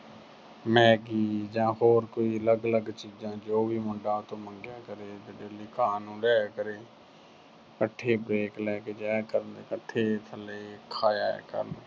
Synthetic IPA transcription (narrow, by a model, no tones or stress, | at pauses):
mɛ̃ːɡiːd͡ʒãːɦoːɾkoiːələɡələɡt͡ʃiːd͡ʒãːd͡ʒoːbʱiːmʊɳɖãːt̪õːmə̃ŋɡjaːkəɾeːd͡ʒəɖeːliːkaːnũːlɛːkəɾeː | kəʈʰːeːbɾeːklɛːkeːd͡ʒaːkəɾnd̪eːkəʈʰːeːt̪ʰəleːkʰaːja̰ːkə̰ɾne